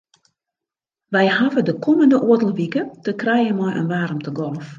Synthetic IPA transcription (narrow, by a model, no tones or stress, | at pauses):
ʋɛjɦavədəkʰoməndəʔuətəl̩ˠʋikətəkrɛjənmɔjʔə̰nʋaːɾəmtʰəɡɔlˠf